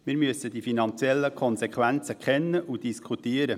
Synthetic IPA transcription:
mɪːɾmyəsədifinɑnt͡sjɛlːəkʰχɔnsɛkʰʋænt͡səkχɛnːəʔud̥iskʰχut̪iəɾə

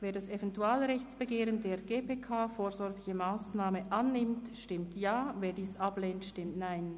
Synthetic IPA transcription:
veːɐdasevɛntuaːlɾɛçt͡sb̥əɡeːɾəndeːʁɡ̥eːpeːkʰaːfoːɾzɔɾɡlɪçəmaːsnaːməʔanːɪmtʃtɪmtjaːveːdiːsab̥leːntʃtɪmtnaɪn

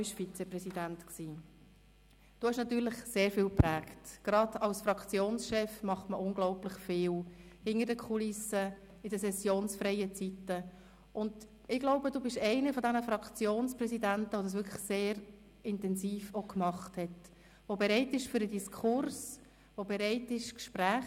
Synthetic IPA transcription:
bɪʃfit͡sɛprɛsid̥æntksiː | d̥uːhɛʃnɑt̪ːyːɾlɪχseːɾfɪːlpræːktɡ̥ɾɑdɑlsfɾɑkt͡sjoːnsʃɛfmɑχtməʔʊnɡ̥lɔʊplɪχfɪːlhɪŋəɾdəkʰulɪsə | ɪdəsɛsjoːnsfɾɛɪət͡sitə | ʔʊnd | ɪɡloʊbəduːbɪʃɛɪnəfɔdænəfɾɑkt͡sjoːnsprɛsidæntəʋodɑs̬ʋʏɾkʰlə̥seːɾ | ɪntɛnsiːfokmɑχthɛt | ʋobɛɾɛɪtɪʃfyɾədiskʰʊɾs | ʋobɛɾɛɪtɪʃkʃpræːχ

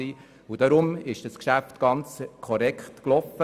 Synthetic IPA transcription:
iː | ud̥ɑɾʊmɪʃd̥ɑskʃæftɡ̥ɑnt͡skʰɔɾɛkχtklɔfə

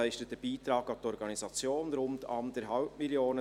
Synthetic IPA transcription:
æɪʃtət̪əb̥iːt̪ɾɑːɡaʊfd̪əɔɾɡɑnisɑt͡sjoːnɾʊntɑ̰nd̪əɾɦɑlpmɪljoːnə

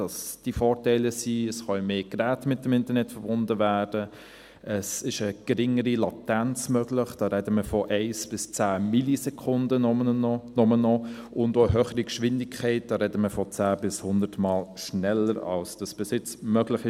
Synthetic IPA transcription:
d̥ɑsd̥ifɔːɾtɛæɪləsiəsχɑɪmeːɡ̥ɾæːtmɪtdɛmɪntəɾnɛtfəɾb̥ʊndəvæːd̥ə | ʔəsɪʃəɡ̥ɾɪŋːəɾilɑtænt͡smœɡlɪχd̥ɑːɾɛdəməfɔʔɛɪsb̥ɪst͡sæːmilisɛkʰʊndə | nɔmənɔʊndoːəɦøːχəɾikʃʋɪndɪkʰχɛɪt̚d̥ɑːɾɛdəməfɔt͡sæːbɪshʊndətmɑːlʃnɛlːəɾɑ̰lsd̥ɑsb̥ɪsɪt͡smœɡlɪχɪ

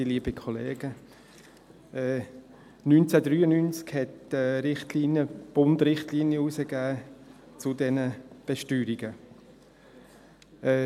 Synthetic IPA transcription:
iliːbikʰɔleːɡ̥ə | ɛː | nynt͡sɛdɾyːənynt͡skhɛtɛɾɪχtliːnjəb̥ʊndɾɪχtlinjəusəɡ̥æː | t͡sʊdɛnəb̥ɛʃtyːɾiɡə | ɛː

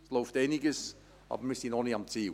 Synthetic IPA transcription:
slowftɛniɡəs | ɑ̰bmɪsinɔniamt͡siː

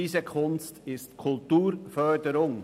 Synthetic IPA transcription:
iːzəkʰʊnstɪstkʰʊltuːɾfœɾdəɾʊŋ

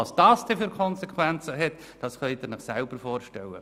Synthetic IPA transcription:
ɑsd̥ɑːsd̥ɛfyɾkʰχɔnsɛkwænt͡səɦɛt | d̥ɑsχœʏd̪ɪɾnɪχsælb̥əɾfoːɾʃtɛlːə̰

